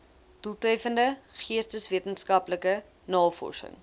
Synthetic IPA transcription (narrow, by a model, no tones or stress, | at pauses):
d̥ulˠtœɥfəndəχiəstəsviətənskɐpləkə | nɑːfɔ̰rsə̰ŋ